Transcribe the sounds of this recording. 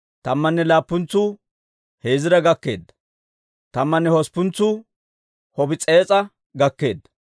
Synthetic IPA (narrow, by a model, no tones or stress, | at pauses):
t̪ɐmːɐnːɛlaːpːʊnt͡sːʊ | he̞ːzɪɾɐɡɐkːe̞ːd̪ːɐ̥ | t̪ɐmːɐnːɛhɔspːʊnt͡sːʊ | hɔbɪt͡sʼeːt͡sʼɐ | ɡɐkːe̞ːd̪ːɐ̥